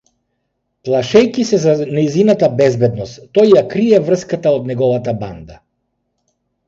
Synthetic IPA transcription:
plˠaʃɛjkisɛzanɛjzinat̪abɛzbɛd̪nɔst̪t̪ːɔjːakɾiɛvr̩skat̪aod̪nɛɡɔvat̪aband̪a

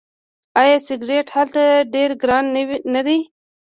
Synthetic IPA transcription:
ɑjɑsɪɡɾeʈhalt̪aɖeɾɡɾɑnwinad̪i

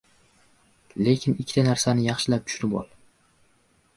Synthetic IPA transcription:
le̞kʲʰɪnɪkʲʰːt̪ʰanaɾsanɪjɑχʃɪlap̚t̪ʰʊ̥ʃnɪbɒ̰l

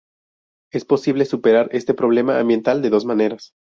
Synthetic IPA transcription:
espo̞siβle̞supe̞ɾaɾe̞st̪e̞pɾo̞β̞le̞ma̰ːmbje̞nt̪ald̪e̞ðo̞zmane̞ɾas

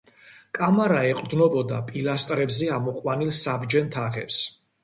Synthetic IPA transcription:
kʼamaɾaɛqʼɾd̪nɔbɔd̪a̰pʼilast̪ʼɾɛbzɛamɔqʼwanilsabd͡ʒɛnt̪ʰaʁɛps

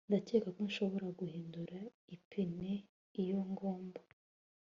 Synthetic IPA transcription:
ndace̞ːkakonʃo̞βo̞ɾaɡuhiːnduɾaipʰene | ijo̞ŋɡoːmba

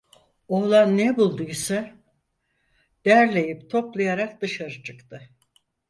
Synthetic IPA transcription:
o̞lˠanːɛbulˠd̪ujsa | d̪̥æɾlʲe̞jipt̪ʰo̞plˠajaɾak̚d̪ɯʃaɾɯt͡ʃʰɯkt̪ʰɯ

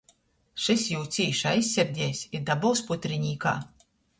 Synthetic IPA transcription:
ʃisjuːt̪sʲiːʃajsʲːɛɾd̪ʲɛjsʲiɾd̪abɔwsput̪ʲɾiɲʲiːka̰ː

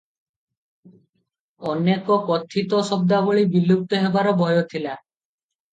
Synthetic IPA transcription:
ɔnekɔkɔt̪ʰːit̪osɔb̚d̪aboɭibilːup̚t̪oɦebaɾɔbʱɔjot̪ʰila

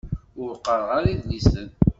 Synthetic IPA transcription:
ʊɾqːəɾˤʁaɾiðlisən

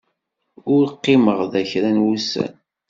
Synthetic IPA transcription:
ʊɾqːɪməʁðæçɾænwusæ̰n

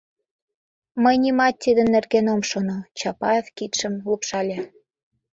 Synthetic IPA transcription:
məjnimɑt̪ʲt̪ːid̪ə̆nːerɣenomʃonot͡ɕɑpɑevkit̪ʃə̆mlupʃɑlʲɑ

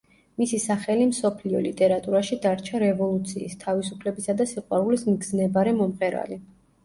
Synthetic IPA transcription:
misisaχɛlimsɔpʰliɔ̰lit̪ʼɛɾat̪ʼuɾaʃid̪aɾt͡ʃʰaɾɛvɔlˠut̪sʰiːst̪ʰavisupʰlɛbisad̪asiqʼwaɾulismɡznɛbaɾɛmɔmqʼɛɾa̰li

